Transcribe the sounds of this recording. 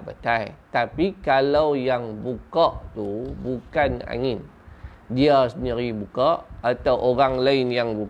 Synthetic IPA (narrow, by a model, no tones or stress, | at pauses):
pat̪ajt̪apikalawjaŋbukaʔt̪ubukana̰ŋɪn | diasnəɾibukaʔat̪awʔoɾaŋlaɪnjaŋbu